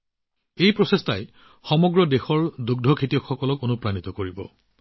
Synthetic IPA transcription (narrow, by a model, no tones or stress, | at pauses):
ejpɹɔsestʰaj | xɔmɔɡɹɔdexɔɹduɡ̚dʱɔkʰitiɔkxɔkɔlɔkonupɹanit̪ɔkoɹibɔ̰